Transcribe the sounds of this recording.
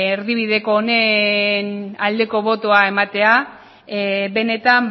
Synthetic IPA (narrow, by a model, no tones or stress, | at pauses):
eɾðiβ̞iðe̞ko̞ːnenald̪e̞ko̞βo̞t̪oae̞mat̪e̞a | be̞ne̞t̪am